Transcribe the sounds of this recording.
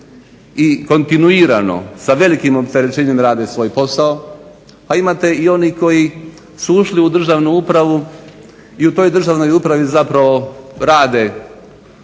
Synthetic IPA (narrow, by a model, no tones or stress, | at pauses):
iko̞nt̪inuiːɾano̞̰saʋe̞likimo̞pt̪e̞ɾe̞t͡ʃeːɲemɾaːd̪esʋo̞jpo̞sao | aimaːt̪e̞io̞niko̞ji | suuʃliud̪r̩ʒaʋnuupɾaʋu | iut̪o̞jd̪r̩ʒaʋno̞jupɾaʋizapɾaʋo̞ɾaːd̪e̞